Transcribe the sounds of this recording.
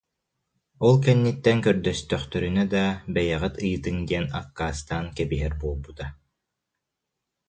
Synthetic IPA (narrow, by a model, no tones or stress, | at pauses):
ɔlˠkɛnːit̪ːɛnkœɾd̪œst̪œχt̪œɾynœd̪abɛjɛʁit̪ɯjt̪ɯŋd̪iɛna̰kːaːst̪aːnkɛbiɦɛɾbuːlˠbut̪a